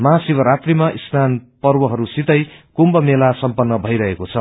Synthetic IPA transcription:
mʌɦasibʌɾat̪rimaʔisnanpʌrwʌɦʌɾusit̪ʌjkumbʌmelasʌmpʌnːʌbʱʌjɾʌɦekot͡sʰʌ

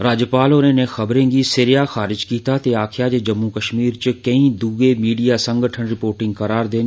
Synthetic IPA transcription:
ɾaːd͡ʒjəpaːlonẽnexɐbɾẽɡisɪɾjaxaːɾɪd͡ʒkiːt̪ʰat̪eaːkʰjad͡ʒed͡ʒɐmːukɐʃmiːɾt͡ʃəkɐĩd̪uːɡemiːɖijasɐ̃ŋɡʱəʈʰənɾɪpoːɾʈɪ̃ŋɡkɐɾaːɾd̪eːn

